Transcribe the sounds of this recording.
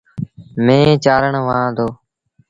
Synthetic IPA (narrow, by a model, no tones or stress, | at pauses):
mẽːt͡ʃaːɾəɳʋãːd̪oː